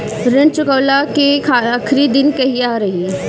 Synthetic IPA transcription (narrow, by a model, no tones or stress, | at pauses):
ɾɪ̃nt͡ʃʊkəːlakekʰaakʰɾid̪ɪnkɐɦiaːɾɐɦi